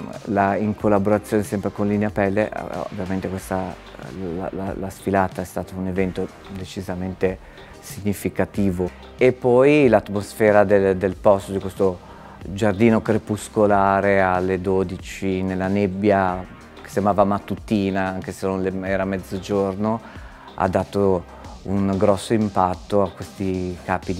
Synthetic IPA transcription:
laiŋkʰolːaboɾat̪sːjoːnesɛmpɾekonlineapɛlːḛo̰vːjament̪ekwest̪a̰ | l̰lasfilaːt̪aɛst̪aːt̪aunevɛnt̪o | d̪et͡ʃizament̪e | siɲːifikat̪iːvo | epːɔjlat̪mosfɛːɾad̪eld̪elpɔst̪od̪ikwest̪o | d͡ʒard̪iːnokɾepuskolaːɾealːed̪oːd̪it͡ʃinelːanebːja | ke̥sjamaːvamat̪ːut̪iːnaaŋkesenːonleɛːɾamɛd̪zːod͡ʒorno | a̰d̪ːaːt̪o | uŋɡɾɔsːoimpat̪ːoakwest̪ikaːpi

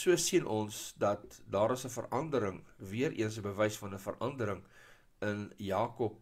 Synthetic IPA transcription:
suəsiənʔɔnsdɐt̚dɑːɾəsəfə̰rʔɐndəɾəŋviəɾʔḭəns̬əbəvɛjsfɐnəfə̰rʔɐndəɾəŋ | ənjɑːkɔp̚

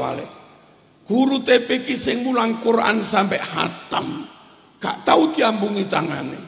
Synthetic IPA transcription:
a̰lɛ̰ | kuɾut̪epekisɛŋmulaŋkuɾa̰nsampɛʔha̰t̪am | ka̰ʔt̪aut̪iambuŋit̪aŋa̰nḛ

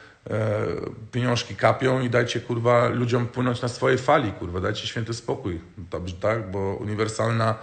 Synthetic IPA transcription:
pʲjeɲɔ̃w̃ʂkʲikapʲjɔ̃w̃id̪ajt͡ɕɛkuɾvalʲud͡ʑɔmpwɘnɔnt͡ɕnasfɔjɛjfalʲikuɾvad̪ajt͡ɕɛɕfʲjɛnt̪ɘspɔkujd̪ɔbʐɛt̪aɡbɔṵɲivɛɾsalna

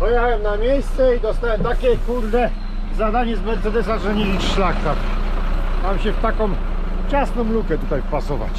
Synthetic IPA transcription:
pɔjɛxawɛmnamʲjejst̪sɛid̪ɔst̪awɛmt̪akʲejkuld̪ɛ | zad̪aɲɛzmɛt̪sɛd̪ɛs̬aʐɛɲɛiʂlakax | mamɕɛft̪akɔ̃m | ft͡ɕasnɔ̃mlukɛt̪ut̪ajpasɔva̰t͡ɕ

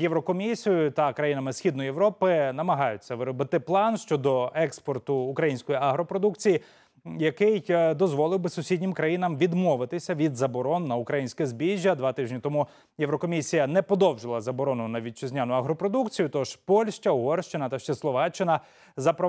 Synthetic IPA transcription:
jeʋɾɔkɔmʲisʲijʊt̪ɐkɾɐjinɐmɪsxʲid̪nɔjeʋɾɔpɪnɐmɐɦɑjʊt͡sʲːɐʋɪɾɔbɪt̪ɪplˠɑnʃt͡ʃɔd̪ɔɛkspɔrt̪ʊːkɾɐjinʲsʲkɔjiɐɦɾɔpɾɔd̪ukt͡sʲiji | jɐkɪjd̪ɔzʋɔlˠɪwbɪsʊsʲidʲnʲɪmkɾɐjinɐmʋʲid̪mɔʋɪt̪ɪsʲɐʋʲid̪zɐbɔɾɔnːɐukɾɐjinʲsʲkɛzbʲiʒʲːɐd̪ʋɑt̪ɪʒnʲit̪ɔmu | jewɾɔkɔmʲisʲijɐnɛpɔd̪ɔwʒɪlˠɐzɐbɔɾɔnʊnɐʋʲid̪̚t͡ʃɪzʲnʲanʊɐɦɾɔpɾɔd̪ukt͡sʲijʊt̪ɔʃpɔlʲʃt͡ʃʲɐɔɦɔrʃt͡ʃɪnɐt̪ɐʃt͡ʃɛslˠɔʋɑt͡ʃɪnɐ | zɐpɾɔ

